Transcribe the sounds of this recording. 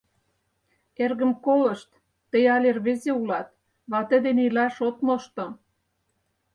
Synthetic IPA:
erɣə̆mkolə̆ʃt̪ː | ə̆jɑlʲerβezeulɑt̪̚ | βɑt̪ə̆d̪enilɑʃot̪moʃt̪ŏ

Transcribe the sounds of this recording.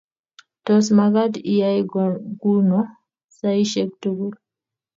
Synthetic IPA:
tɔsmaɡadijajɡuɾnɔ | saiʃɛk̚tuɡul

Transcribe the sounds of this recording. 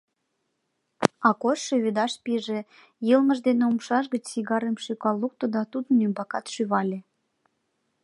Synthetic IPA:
ɑkoʃːeβed̪ɑʃpiʒĕ | jəlməʒd̪eneumʃɑʃɣət͡ɕsiɣɑɾemʃykɑlːuk̚t̪od̪ɑt̪ud̪ənːymbɑkɑt̪ʃyβɑlʲe

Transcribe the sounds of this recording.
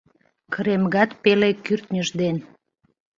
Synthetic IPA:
kəɾemɣɑt̪pelekyrt̪nʲəʒd̪en

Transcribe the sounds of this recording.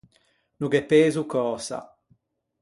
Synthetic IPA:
nuɡɛpːeːzukɔːsa̰

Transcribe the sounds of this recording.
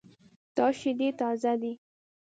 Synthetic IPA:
t̪ɑʃid̪et̪ɑzad̪i

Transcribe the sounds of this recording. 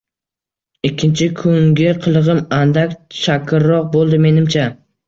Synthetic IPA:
ɪkʲʰːɪnt͡ʃʰɪkʰʊŋɡʲɪqʰɨlˠɨʁɨmand̪akʲt͡ʃʰakʲʰɪɾːɒq̚bolˠd̪ɪme̞nɪmt͡ʃʰa

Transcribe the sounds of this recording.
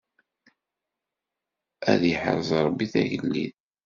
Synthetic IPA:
æ̰ðjəħə̰ɾˤzˤɾˤbːiθæ̰ʝəlːḭð

